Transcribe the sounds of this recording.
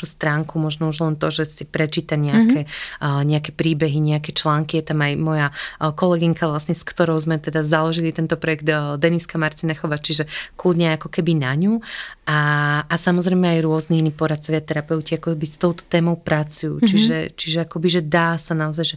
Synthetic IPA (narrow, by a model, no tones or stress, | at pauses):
ust̪ɾaːŋkumɔʒnɔuʒnɔlɛnt̪ɔʒɛsipɾɛt͡ʃiːt̪aɲɛakɛɲɛakɛpɾiːbɛɦiɲɛakɛt͡ʃlaːŋkijɛt̪amajmɔjakɔlɛɡiŋkaʋlasɲɛskt̪ɔɾɔʊzmɛt̪ɛd̪azalɔʒilit̪ɛnt̪ɔpɾɔjɛɡd̪d̪ɛniskamaɾt̪inɛxɔʋat͡ʃiʒɛklud̪ɲɛjakɔkɛbinaɲuaːsamɔzɾɛjmɛajɾʊɔzniinipɔɾat̪̚t͡sɔʋɪat̪ɛɾapɛʊciakɔkbist̪ɔʊt̪ɔ̥t̪ɛːmɔʊpɾat͡sujṵt͡ʃiʒɛt͡ʃiʒɛakɔbiʒɛd̪aːsanaɔzajʒɛ